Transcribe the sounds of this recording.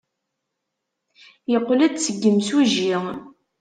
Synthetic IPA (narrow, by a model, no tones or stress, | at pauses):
jəqːlæd̪səɡːəmsuʒi